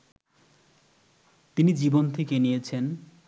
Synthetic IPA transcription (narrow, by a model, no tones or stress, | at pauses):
t̪inid͡ʑibont̪ʰekenijet͡ɕʰen